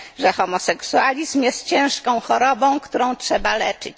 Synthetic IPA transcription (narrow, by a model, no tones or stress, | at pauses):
ʐɛxɔmɔsɛksualʲizmjɛst̪̚t͡ɕɛ̃w̃ʂkɔ̃w̃xɔɾɔbɔ̃kt̪uɾɔ̃w̃tʂɛbalɛt͡ʂɘ̰t͡ɕ